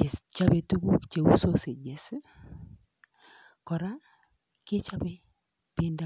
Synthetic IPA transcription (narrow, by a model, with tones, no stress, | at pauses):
e˨t͡ʃa˦be˨tu˦ɡu˦kt͡ʃe˨ṵ˦so˦se˨d͡ʒe˨s | kɔ˨ɾa˦ | ke˦t͡ʃa˦be˦ | pi˦e˦nda˨